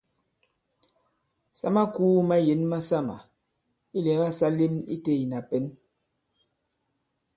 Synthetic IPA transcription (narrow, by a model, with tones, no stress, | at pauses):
sa̰˦ma˦kuː˦ma˦je˨˦nma˦sa˦ma̰˨ | i˦lɛ˨˦ɣa˦sa˦li˦mḭ˦te˦˨i˨na˨pɛ˦n